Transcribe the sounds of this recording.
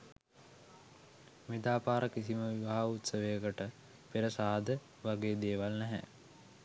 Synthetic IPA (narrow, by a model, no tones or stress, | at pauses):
med̪aːpaːɾəkisiməʋiʋaɦaut̪səʋejəkəʈə | peɾəsaːd̪ə | ʋaɡeːd̪eːʋalnɛɦɛ̰